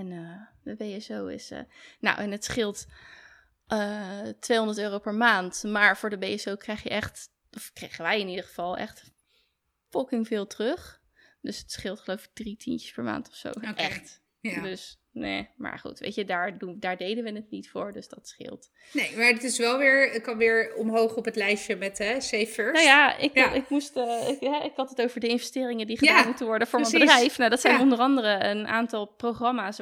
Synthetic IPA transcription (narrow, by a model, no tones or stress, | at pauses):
ɛnədəbejɛsowɪ̰sə̰na̰wʔɛnətsχɪlˠt | ʔəːtʋejɦɔ̃ndəɹtøːrowpɛɹmaːntmaːɹv̥ʊːɹdəbejɛsowkrɛjχjəʔɛχt | ʔɔfkrejχənʋɛjɪnidəɹχəv̥ɑlˠɛ̰χt | fɔkɪŋvɪːlˠtrøχ | d̥øsətsχɪlˠtχəlowvɪɡ̚d̥ritʰincə̥spɛɹma̰ːntɔ̥fso̰wʔɛχt | døs | nḛma̰ːɹχṵtʋḛjtədaːɹdundaːɹdejdənʋənətnitfʊːɹdøsd̥ɑtsχɪ̰lˠt | nejmaɹɪtɪsʋɛlˠʋɪːɹəkɑnʋɪːɹɔmɦowχɔpətlɛjʃəmɛtɦɛsejfəɹnojaɪ̰kɪkmustɪkɦɛɪkɦɑtətowvəɹdəɪnvɛstɪːrɪŋədiχədaːnmutənʋɔɹdəvʊːɹɑnbədrɛjfnadɑtsɛjnɔndərɑndərəənʔa̰ːntɑlˠprowχrɑmaːs